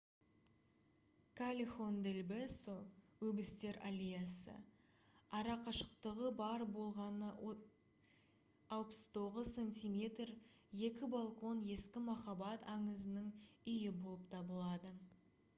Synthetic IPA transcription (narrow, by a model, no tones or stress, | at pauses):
kʰalʲixond̪elbɪsowɵbɪst̪e̞ɾalʲijasə̰ | ɑɾɑqɑʃə̥qt̪əʁəbɑɾbo̞lˠʁɑnə | ɑlˠpə̥st̪ʰo̞ʁəzsenʲt̪ʲijmʲe̞t̪r | je̞kʲɪbalˠkʰo̞nje̞skʲɪmɑχɑbɑt̪ɑɴəzənəŋʏjɪbo̞lˠəp̚t̪ʰɑbəlˠɑd̪ə